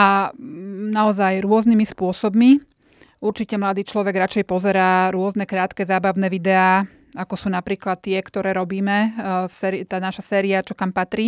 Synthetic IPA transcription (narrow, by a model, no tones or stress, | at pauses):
a | naɔzajɾʊɔznimispʊɔsɔbmi | uɾt͡ʃicɛmlad̪iːt͡ʃlɔʋɛɡɾat͡ʃɛjpɔzɛɾaːɾʊɔznɛkɾaːt̪kɛzaːbaʊnɛʋid̪ɛaː | akɔsuːnapɾiːklat̪ːɪɛkt̪ɔɾɛːɾɔbiːmɛsɛːɾit̪aːnaʃasɛːɾiat͡ʃɔkampat̪ɾiː